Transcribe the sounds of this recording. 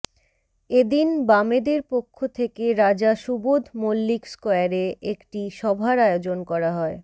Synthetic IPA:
ed̪inbamed̪eɾpokʰːot̪ʰekeɾad͡ʑaʃubod̪ʱmolːikskɔjaɾeekʈiʃɔbʱaɾaeod͡ʑonkɔɾaɦɔe

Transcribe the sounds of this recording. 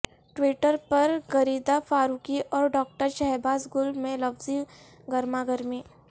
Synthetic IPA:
ʈwiːʈəɾpɐɾɡɐɾiːd̪afʰaːɾuːkiʔɔːɾɖɔːk̚ʈəɾʃɛɦbaːzɡʊlmẽlɐbzi | ɡɐɾmaɡɐɾmiː

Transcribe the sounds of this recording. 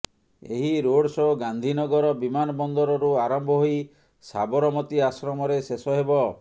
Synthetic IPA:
ḛɦiɾoɽsɔɡand̪ʱinɔɡɔɾɔbimanɔbɔnd̪ɔɾɔɾuaɾɔmbʱɔɦoi | sa̰bɔɾɔmɔt̪iasɾɔmɔɾesesɔɦebɔ

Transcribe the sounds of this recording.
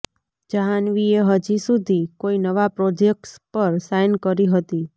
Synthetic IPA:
d͡ʒaɦanʋieɦəd͡ʒisud̪ʱikoinəʋapɾɔd͡ʒek̚ʈspəɾsajnkəɾiɦət̪i

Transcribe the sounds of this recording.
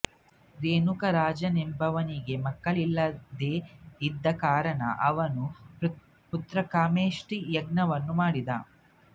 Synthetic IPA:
ɾeːnukɐɾaːd͡ʒɐnimbʱɐʋɐniɡe̞mɐkːɐɭilːɐd̪eːid̪ːɐkaːɾɐɳɐ̰ʔɐʋɐnu | put̪ɾɐkaːmeːʂʈijɐɡnɐʋɐnːumaːɽid̪aː

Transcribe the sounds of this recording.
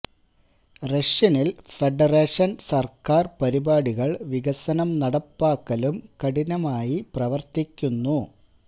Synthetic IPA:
reʂjɐnilfeɖɐreːʂɐnsɐrkaːrpɐɾibaːɽiɣɐɭʋiɣɐsɐnɐmnɐɽɐpːaːkːɐlumkɐɽinɐmaːjiprɐʋɐrt̪ikʲːunːu

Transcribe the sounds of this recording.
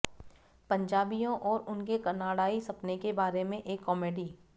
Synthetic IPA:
pɐ̃ɲd͡ʒaːbijõʔɔːɾʊnkekɐnaːɽaːisɐpnekebaːɾemẽʔeːkːɔːmeːɖiː

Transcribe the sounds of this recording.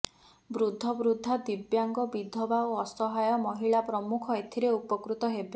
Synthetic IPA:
bɾud̪ʱːɔbɾud̪ʱːad̪ibjaŋɡɔbid̪ʱɔbaoɔsɔɦajɔmɔɦiɭapɾɔmukʰɔet̪ʰiɾeupɔkɾut̪ɔɦebi

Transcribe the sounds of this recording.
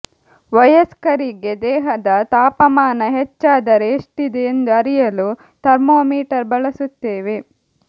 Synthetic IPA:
ʋɐjɐskɐɾiɡed̪ɛːɦɐd̪ɐt̪aːpɐmaːnɐɦet͡ʃːaːd̪ɐɾeːʂʈid̪eːnd̪uɐɾijɐlu | t̪ɐɾmoːmiːʈɐɾbɐɭɐsut̪ːeːʋe̞

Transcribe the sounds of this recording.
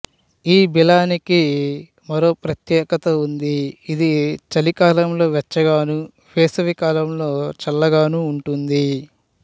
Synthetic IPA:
iːbilaːniki | mɐɾo̞ːpɾɐt̪jɛːkɐt̪ɐund̪iːd̪it͡ʃɐlikaːlɐmlo̞ːʋɛt͡ʃːɐɡaːnu | ʋeːsɐʋikaːlɐmlo̞ːt͡ʃɐlːɐɡaːnuːɳʈund̪i

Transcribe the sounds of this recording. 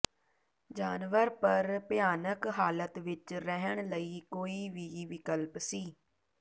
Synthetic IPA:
d͡ʒaːnʋəɾpəɾpjaːnəkɦaːlət̪ʋɪt͡ʃɾɛɦəɳ̃ləiːkoːiːʋiːʋɪkəlpsiː

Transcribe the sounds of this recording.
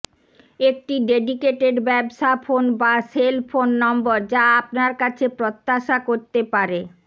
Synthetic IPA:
ek̚ʈiɖeɖikeʈeɖbɛbʃafʰonbaselfʰonːɔmboɾd͡ʑaapnaɾkat͡ɕʰepɾot̪ːaʃakoɾt̪epaɾe

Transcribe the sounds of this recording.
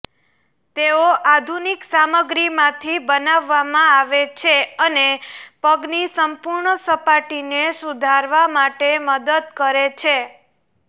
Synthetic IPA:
t̪eoʔad̪ʱuniksaməɡɾimãt̪ʰibənaʋːamãaʋet͡ʃʰeənepəɡnisəmpuɾɳəsəpaʈinesud̪ʱaɾʋamaʈeməd̪əd̪̚kəɾet͡ʃʰe

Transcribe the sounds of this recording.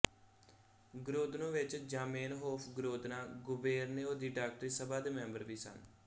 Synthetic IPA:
ɡɾoːd̪nõːʋɪt͡ʃd͡ʒaːmeːnɦoːpʰɡɾoːd̪naːɡʊbeːɾneːoːd̪iːɖaːk̚ʈɾiːsəbaːd̪eːmɛ̃ːmbəɾʋiːsə̰n

